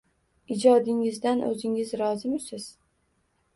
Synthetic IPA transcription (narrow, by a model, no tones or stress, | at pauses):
ɪd͡ʒɒd̪ɪŋɪzd̪anʔɵ̰zɪŋɪzɾɒzɪmɪsɪz̥